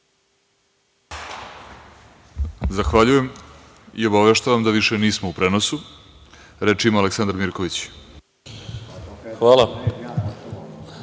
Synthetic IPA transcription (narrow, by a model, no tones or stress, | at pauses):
zaxʋaʎuje̞m | ḭo̞baʋeʃt̪aʋamd̪aʋiʃeniːsmoupɾeːno̞su | ɾet͡ʃimoaleksand̪ɾmiɾko̞ʋit͡ɕ | xʋaːlˠa